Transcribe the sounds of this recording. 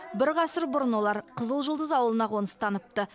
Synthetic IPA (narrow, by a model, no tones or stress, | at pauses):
bɪɾʁɑsəɾbʊɾənwo̞lˠɑɾqʰəzəlˠʒəlˠd̪əzɑwəlˠənɑʁonəst̪ʰɑnəp̚t̪ə